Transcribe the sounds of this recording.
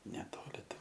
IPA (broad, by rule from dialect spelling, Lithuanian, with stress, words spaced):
nʲɛˈtoːlʲɪ ˈtʲɛn